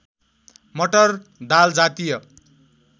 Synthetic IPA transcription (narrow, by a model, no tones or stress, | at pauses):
mʌʈʌrd̪ald͡zat̪ijʌ